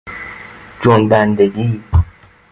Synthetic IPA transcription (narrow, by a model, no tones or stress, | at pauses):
d͡ʒonbænd̪eɡiː